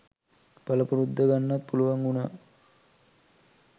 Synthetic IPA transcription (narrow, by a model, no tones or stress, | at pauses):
paləpuɾud̪ːəɡanːat̪̚puluʋaŋuna